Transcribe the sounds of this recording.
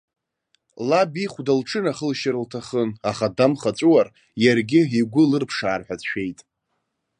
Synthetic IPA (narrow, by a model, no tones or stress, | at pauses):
labiχʷdalʈ͡ʂʰɨnaχəlʃaɾɨltʰaχənaχadamχat͡sʷʼuwar | jarɡʲɪiɡʷʊlɨrpʰʂaːrħʷᶣat͡sʃᶣe̞jtʼ